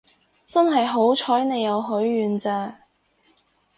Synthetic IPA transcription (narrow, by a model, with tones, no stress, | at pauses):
t͡sɐ˥nɦɐ˨jɦo˨˥wt͡ʃʰɔː˨˥jne˨˧jːɐ˨˧wɦɵ˨˥ɥːyː˨nt͡sɛː˧